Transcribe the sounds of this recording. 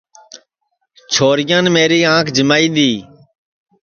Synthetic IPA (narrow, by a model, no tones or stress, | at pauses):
t͡ʃʰoːɾɪjãːnmeːɾiːãːkʰd͡ʒəmaːiːɗ̪iː